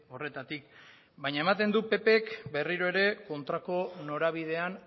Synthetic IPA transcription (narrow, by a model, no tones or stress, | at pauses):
o̞re̞t̪at̪ik̚ | baɲaemat̪e̞nd̪upe̞pekbe̞riɾoe̞ɾe̞ko̞nt̪ɾako̞no̞ɾaβ̞ið̞e̞an